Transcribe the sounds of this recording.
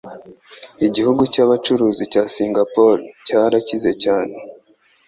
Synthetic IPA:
iɟihuɡucaβat͡ʃuɾuːzicaːsiːŋɡapo̞ɾcaɾacize̞caːne

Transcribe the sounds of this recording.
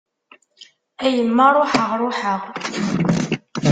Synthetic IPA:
æjəmːarˤʊħəʁɾˤʊħəʁ

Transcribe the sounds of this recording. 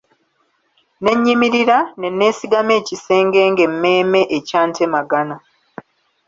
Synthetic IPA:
ne̞ɲːimiɾiɾane̞nːe̞ːsiɡame̞ːcise̞ːŋɡe̞ːŋɡe̞mːe̞ːme̞ʔecaːntʰemaɡana

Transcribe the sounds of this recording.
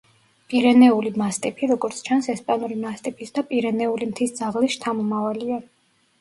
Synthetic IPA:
pʼiɾɛnɛulimast̪ʼipʰiɾɔɡɔɾt̪sʰt͡ʃʰansɛspʼanuɾimast̪ʼipʰisd̪apʼiɾɛnɛulimt̪ʰisd̪zaʁlisʃt̪ʰamɔmavalia

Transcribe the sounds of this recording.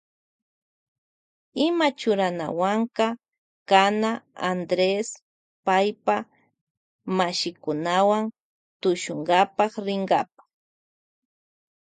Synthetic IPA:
ɪmat͡ʃʊɾana̰waŋkɑ | kanaand̪ɾes | pajpa | maʃɪkʊnawan | t̪ʊʃʊŋɢapɑχɾɪŋɡap̚ḁ

